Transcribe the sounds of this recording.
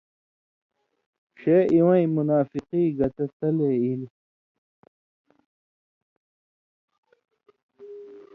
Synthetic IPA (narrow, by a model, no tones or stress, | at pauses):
ɕeːʔiwɐ̃ĩmunaːfiqiːɡɐt̪ɐt̪ɐleːili